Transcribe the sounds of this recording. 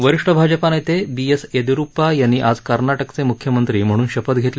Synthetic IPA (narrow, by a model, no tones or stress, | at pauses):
ʋəɾiʂʈəbʱad͡ʑəpanəjt̪ebiesed̪iɾupajañiʔad͡zkəɾnaʈəkt͡semukʰːjəmənt̪ɾiːm̤əɽ̃uːnɕəpət̪ɡʱet̪l